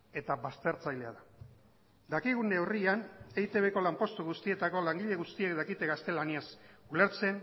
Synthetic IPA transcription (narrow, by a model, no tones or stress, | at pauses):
e̞t̪aβast̪e̞ɾt͡sajle̞a̰ða | d̪akiɣ̞und̪e̞orianejt̪e̞βe̞ko̞lampo̞st̪uɣust̪ie̞t̪ako̞laŋɡiʎe̞ɣust̪ie̞kd̪akit̪e̞ɣast̪e̞laniasule̞ɾt͡se̞n